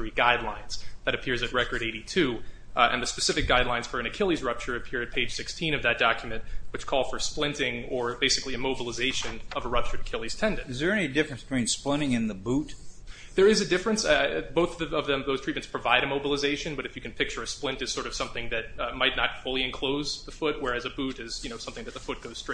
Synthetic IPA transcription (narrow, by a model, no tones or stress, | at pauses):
ɹiɡaɪdˡlãɪ̃nz̥ðɨɾɨpʰɪɹzɨt̚ɹɛkə˞ɾeɪɾitʰʉ | ɨ̰̃nðɨspɨsɪfɨk̚ɡ̥aɪdˡlãɪ̃nz̥fə˞ɨ̃nɨkʰɪlˠizɹʌp̚t͡ʃə˞ɨpʰɪɹɨt̚pʰeɪd̥ʒ̥sɪkstʰĩnʌvðɨt̚d̥ɑkjmɨ̃nʔwɨt͡ʃkʰɔlˠfə˞splɪ̃ntɪ̃ŋə˞beɪsɨ̥kliɨmoʊbəl̩ˠəzeɪʃɨ̃nʌvəɹʌp̚t͡ʃə˞ɨkʰɪlˠiz̥tʰɛ̃ndɨ̃nɨzðə˞ɛnidɪfɹɨ̃nsb̥tʰw̥ĩnsplɪ̃ɾ̃ɪ̃ŋɨ̃nðɨbut | ðə˞ɨzɨdɪfɹɨ̃nsboʊθʌʌvðɨ̃mðoʊztʰɹit̚mɨ̃ntspʰɹ̥ɨvaɪɾɨmoʊbəlˠəzeɪʃɨ̃nbʌɾɨfjɨkʰɨ̃n̩pʰɪk̚t͡ʃə˞ɨsplɪ̃ntɨz̥sɔɹɾʌv̥sʌ̃mθɪ̃ŋðɨt̚maɪtⁿnət̚fʊlˠiɨ̃nkʰl̥oʊzðəfʊt̚wə˞ɨzɨbʉɾɪz̥jɨñoʊsʌ̃mθɪ̃ŋðɨt̪̚ðəfʊt̚ɡ̥oʊz̥stɹ̥e